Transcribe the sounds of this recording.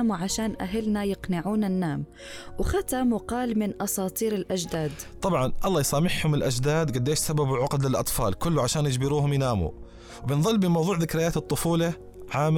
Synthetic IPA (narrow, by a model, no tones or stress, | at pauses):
muʕaʃaːnʔa̰ɦɪlnajɪqnɪʕuːnanːaːm | wɪxat̪amqɑːlmɪnʔɑsˤɑːt̪ˤiːɾɪlʔad͡ʒd̪aːd̪t̪ˤɑbʕɑnʔɑlːˤɑːjsˤɑːmɪħhʊmɪlʔad͡ʒd̪aːd̪ɡad̪ːeːʃsababʕʊqd̪lɪlʔɑ̰t̪ˤfɑ̰ːlkʊlːʊʕaʃaːnjɪd͡ʒbɪɾuːɦʊmjɪnaːmṵ | wbɪnðˤɨlːbɪmɑwðˤuːʕðɪkɾɪjːaːt̪ɨt̪ˤːʊfuːlɑ | ʕaːm